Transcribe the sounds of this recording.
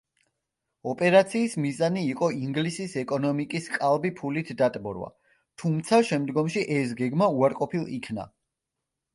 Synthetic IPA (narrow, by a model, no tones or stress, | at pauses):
ɔpʼɛɾat̪sʰiːsmizaniːqʼɔiŋɡlisisɛkʼɔnɔmikʼiskʼalˠbipʰulit̪ʰd̪at̪ʼbɔ̰ɾwa̰ | t̪ʰumt̪sʰaʃɛmd̪ɡɔmʃiʔɛs̬ɡɛɡmauaɾqʼɔpʰilˠḭkʰna̰